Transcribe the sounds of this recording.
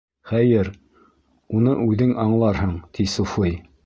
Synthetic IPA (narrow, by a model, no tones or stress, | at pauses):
χæjɘɾ | unɤʔʉðɘŋɑɴlˠɑɾɦɤɴt̪ʰisufɤj